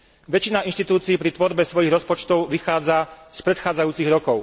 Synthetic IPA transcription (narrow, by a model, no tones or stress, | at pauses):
ʋɛt͡ʃinainʃt̪it̪uːt͡siːpɾit̪ʋɔɾbɛsʋɔjiɣɾɔspɔt͡ʃt̪ɔʊʋixaːd͡zaspɾɛt̪xaːd͡zajuːt͡siɣɾɔkɔʊ